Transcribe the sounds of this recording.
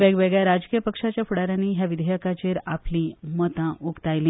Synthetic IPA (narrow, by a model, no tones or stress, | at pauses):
ʋɛɡʋɛɡɭjaɾad͡zkijəpəkʂat͡ɕjafuɽaɾaniːɦjaʋid̪ʱəjəkat͡ɕeɾaplĩmət̪ãʔukt̪ajlĩː